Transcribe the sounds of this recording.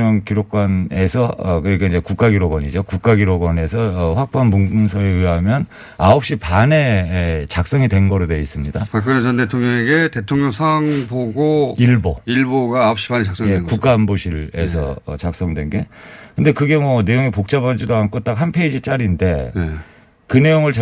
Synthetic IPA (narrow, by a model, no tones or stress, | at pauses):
ʌŋkiɾok̚k͈wane̞sʰʌʌkɯk͈aind͡ʑe̞kuk͈aɡiɾoɡwʌɲid͡ʑokuk͈aɡiɾoɡʌne̞sʰʌɸwak̚p͈oɦanmuŋɡɯnsʰʌeɯjɦamjʌn | aop̚ɕ͈ipane̞t͡ɕak̚s͈ʌŋidwe̞nɡʌɾodwe̞is͈ɯmɲidapak͈ɯnet͡ɕʌnde̞tʰoŋɲʌŋeɡe̞tetʰoŋɲʌŋsʰaŋboɡoiɭboiɭboɡaːop̚ɕ͈i̥panet͡ɕaks͈ʌŋjekukk͈aːnboɕʰiɾesʰʌ̰ʌ̰t͡ɕak̚s͈ʌŋdwe̞nɡe̞kɯnde̞kɯɡe̞mwʌne̞joŋepok̚t͡ɕ͈abad͡ʑidoankʰot͈aɡaɦanpʰe̞id͡ʑit͡ɕ͈aɾinde̞ | kɯne̞joŋɯɭt͡ɕ